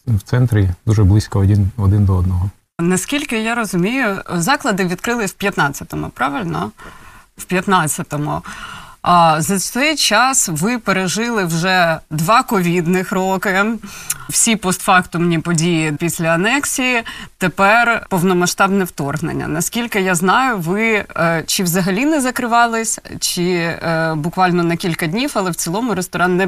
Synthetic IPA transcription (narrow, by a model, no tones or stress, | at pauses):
wt̪sɛnt̪ɾʲid̪uʒɛblˠɪsʲkɔɔdʲinɔd̪ɪnd̪ɔɔd̪nɔɦɔ | nɐskʲilʲkɪjaɾɔzʊmʲijʊzɑklˠɐd̪ɪʋʲid̪kɾɪlˠɪwpʲjɐt̪nɑt͡sʲɐt̪ɔmʊ̰pɾɑʋɪlʲnɔ | wpʲjɐt̪nɑt͡sʲːɐt̪ɔmʊ | zɐsɛjt͡ʃɑsʋɪpeɾeʒɪlˠɪwʒɛd̪ʋɑkɔʋʲid̪nɪxɾokɪ | wsʲipɔst̪fɑkt̪ʊmnʲipɔdʲijipʲisʲlʲɐɐnɛksʲijit̪epɛrpɔwnɔmɐʃt̪ɑbnɛwt̪ɔrɦnḛnʲːɐ̰nɐskʲilʲkɪjaznɑjʊʋɪt͡ʃɪwzɐɦɐlʲinɛzɐkɾɪʋɑlˠɪsʲt͡ʃɪ | bʊkʋɑlʲnɔnɐkʲilʲkɐdʲnʲifɐlˠɛwt͡sʲilˠɔmʊɾest̪ɔɾɑnnɛ